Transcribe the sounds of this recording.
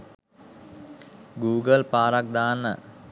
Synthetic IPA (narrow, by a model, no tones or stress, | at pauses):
ɡuːɡəlpaːɾak̚d̪aːnə̰